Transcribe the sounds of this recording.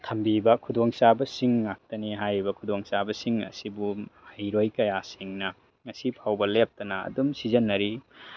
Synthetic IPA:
tʰɐmbibɐkʰudoŋsabɐsiŋːak̚tɐniɦajibɐkʰudoŋsabɐsiŋɐ̰sibumajɾojkɐjasiŋnɐ | ŋɐsipʰawbɐlep̚tɐnɐɐ̰dumsizɐnːɐɾi

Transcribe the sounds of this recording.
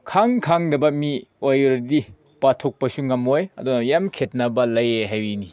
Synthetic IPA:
kʰaŋkʰaŋdɐbɐmiojɾdi | patʰok̚pɐsuŋɐmojɐ̰dunɐjamkʰet̚nɐbɐlɐjeɦajwini

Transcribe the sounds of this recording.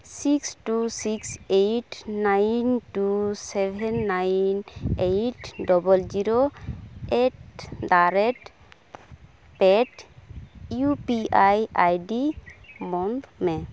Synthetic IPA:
siksʈusiksejʈnajnʈusebʱɛnːajnejʈɖɔbɔlziɾo | eʈdaɾeʈ | peʈ | jupiajajɖimɔnt̪me

